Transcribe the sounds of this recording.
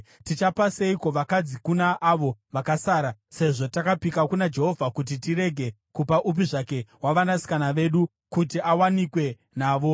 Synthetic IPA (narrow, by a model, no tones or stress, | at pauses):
tit͡ʃapase̞iko̞ʋakad͡zikunaʔːʋo̞ʋakasaːɾase̞ʐo̞takapikakunad͡ʒe̞ɦo̞vʱakut̬itiɾe̞ɡʱe | kupaʔup̬iʐake̞ɦwaʋanasi̥kanaʋe̞ɗu | kutiawanikwe̞ | naːʋo̞